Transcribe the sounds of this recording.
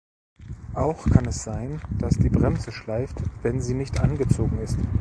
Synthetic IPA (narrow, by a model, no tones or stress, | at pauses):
ʔaʊxkʰanɛsz̥aɪnd̥asd̥iːbʁɛmzəʃlaɪftvɛnziːnɪçtʔanɡət͡soːɡŋ̩ɪst